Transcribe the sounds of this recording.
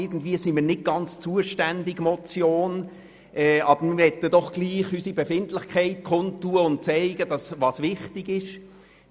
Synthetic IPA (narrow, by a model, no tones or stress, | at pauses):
ɪɡn̩dviːəsimiːnɪt̚ɡ̥ɑnt͡st͡suəʃtændɪɡmɔt͡sjoːn | ʔɛɑb̥əɾmhɛtːədɔχɡ̥liːχysibefɪntlɪχkʰaɪt̚kʰʊntːuəʊnt̚t͡sæɪɡədɑsvɑsvɪχtɪɡɪʃ